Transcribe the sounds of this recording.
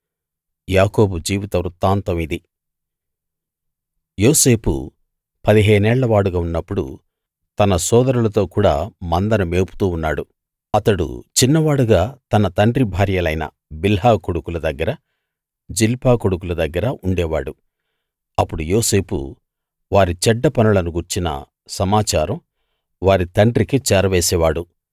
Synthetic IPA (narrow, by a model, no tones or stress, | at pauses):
jaːko̞ːbud͡ʒiːʋit̪ɐɾut̪ːaːnt̪ɐmid̪i | joːse̞ːpṵ | pɐd̪iɦeːnɛːɭːɐʋaːɽuɡaːunːɐpːuɽṵ | t̪ɐnɐsɔːd̪ɐɾulɐt̪o̞ːkuːɽa̰ːmɐnd̪ɐnɐme̞ːpu̥t̪uːunːaːɽu | ɐt̪ɐɽṵt͡ʃinːɐʋaːɽuɡaːt̪ɐnɐt̪ɐɳɖɾibʱaːɾjɐlɐjnɐ̰ | bilɦaːkoɽukulɐd̪ɐɡːɐɾɐ | d͡ʒilpaːkoɽuk̬ulɐd̪ɐɡːɐɾɐʔuɳɖɛːʋaːɽu | ɐpːuɽujoːse̞ːpṵ | ʋaːɾit͡ʃɛɖːɐpɐnɐlɐnuɡuɾt͡ʃinɐ̰ | sɐmaːt͡ʃaːɾɐm | ʋaːɾit̪ɐɳɖɾikit͡ʃɛːɾɐʋɛːsɛːʋaːɽu